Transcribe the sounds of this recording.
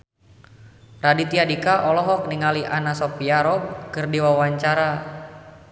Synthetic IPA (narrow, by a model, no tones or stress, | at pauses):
radit̪iadikaʔɔlɔɦɔk̚niŋaliʔanasɔpiaɾɔb̚kɨrdiwawaɲt͡ʃaɾa